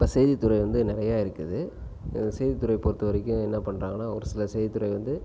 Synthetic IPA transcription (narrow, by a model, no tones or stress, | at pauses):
ɪpːoːsɛjðit̪ːʊɾɐɪʋɐnd̪ɯnɪɾɐjaːɪɾɯkːɯðɯ | sɛjðɪt̪ːʊɾɐɪpoːɾt̪ːɯʋɐɾɪkʲːʊ̃ɛnːɐpɐɳːraːŋɡɐnːaːɔɾɯsɪlɐsɛjðɪt̪ːʊɾɐɪʋɐnd̪ɯ